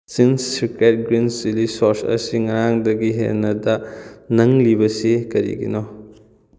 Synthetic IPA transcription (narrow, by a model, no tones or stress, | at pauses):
sinssiket̚ɡɾinsilisoɾsɐ̰siŋɐɾaŋdɐɡiɦḛnːɐdɐnɐŋlibɐsikɐɾḭɡḭnɔ